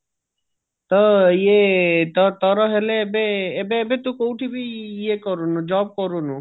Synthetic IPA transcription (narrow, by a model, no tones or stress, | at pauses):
t̪əjet̪ət̪əɾɔɦelebeːbeːbet̪ukowʈʰibʱijekɔɾunud͡ʒɔːb̚kɔɾunu